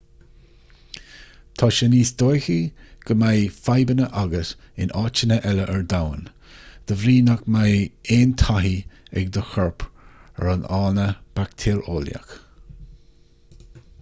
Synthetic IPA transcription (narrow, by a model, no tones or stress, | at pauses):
t̪ʰɑːʃəniːsd̪ojxiɡ̥əmajfajbənəʔaɡəs | ɪnʔɑːt͡ʃənəʔɛləʔɛɹd̪awən | d̪̥əvɾiːnakmajeːnt̪ʰaɦiɛ̰ɡd̪əxɔɹpʰəɾanɑːnəb̥akt̪ʰeːɹoːlja̰k